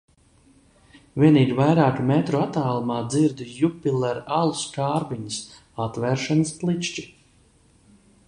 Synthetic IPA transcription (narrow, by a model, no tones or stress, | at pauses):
vʲiɛniːɡʲvajɾaːkmɛt̪ɾuat̪aːlˠumaːd̪ziɾd̪jupʲilˠɛɾalˠuskaːɾbiɲəs | at̪vɛɾʃanɨsplˠit͡ʃt͡ʃi